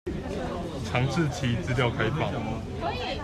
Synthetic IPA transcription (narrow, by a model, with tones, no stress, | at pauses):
ʈ͡ʂʰɑ˧˥ŋʂ̩ʰ˥˨t͡ɕʰi˨˥˦t͡sɹ̩˥˧ljɑ˥˨ʊkʰa˧˦ɪpɑ̰˨˦ŋ